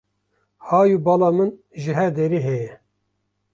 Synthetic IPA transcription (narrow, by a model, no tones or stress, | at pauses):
hɑːjubɑlɑːmɨn | ʒɨɦɛd̪eɾiɦejɛ